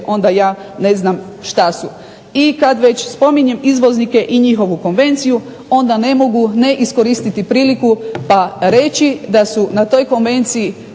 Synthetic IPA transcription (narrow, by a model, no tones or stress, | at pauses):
ʔo̞nd̪ajaːne̞znam | ʃt̪asu | ikad̪ʋet͡ɕspo̞miɲe̞mizʋo̞znike̞ʔiɲixo̞ʋuko̞nʋe̞nt̪siju | o̞nd̪ane̞mo̞ɡune̞ʔisko̞ɾist̪it̪ipɾiːlikupaɾe̞t͡ɕid̪asunat̪o̞ːjko̞nʋe̞nt̪siji